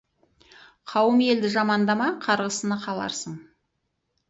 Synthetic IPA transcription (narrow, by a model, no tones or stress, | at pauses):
qʰɑwəme̞ld̪ɪʒɑmɑnd̪ɑmɑqʰɑɾʁəsənəqʰɑlˠɑ̰ɾsəɴ